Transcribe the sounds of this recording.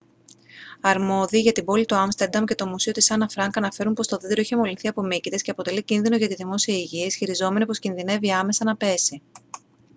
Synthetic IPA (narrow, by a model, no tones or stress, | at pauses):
ɐɾmo̞ðiːʝɐt̪ibo̞lit̪uɐmst̪e̞ɾd̪ɐmce̞t̪o̞musio̞t̪isɐnɐfɾɐŋkɐnɐfe̞ɾunpo̞st̪o̞ðiðeɾo̞içe̞mo̞linθiɐpo̞micit̪esceɐpo̞t̪e̞licinðino̞ʝɐt̪iðimo̞siɐiʝiesçiɾizo̞me̞nipo̞scinðine̞viɐme̞sɐnɐpe̞si